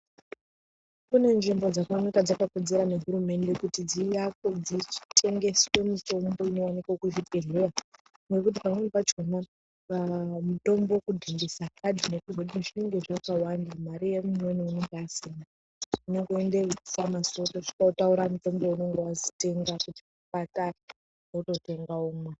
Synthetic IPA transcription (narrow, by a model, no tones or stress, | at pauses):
kune̞nʐimbo̞d͡zakanakad͡zakakod͡ze̞ɾane̞ɦuɾume̞nde̞kutid͡zijakod͡zit͡ʃi̥tʰe̞ŋɡe̞si̥we̞mito̞mbo̞ino̞wanikokuʐipeɮera | nwe̞k̬ut̬ipamwepat͡ʃona | ʋamuto̞mbokudʱimbisakadʱinekuʐotinʐeŋɡeʐakawandamaɾijemunoniuneŋɡasina | uneŋɡuendeisamaso̞toʐi̥kautauɾamuto̞mbouno̞ŋɡewazi̥te̞ŋɡakuti̥upata | ʐauto̞te̞ŋɡaomwa